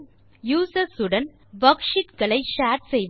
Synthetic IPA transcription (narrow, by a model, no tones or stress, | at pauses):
juːsɐsʊɽɐ̃n | ʋɐkʂɪʈ̪ɡɐɭɐɪʃaːʈsejʋ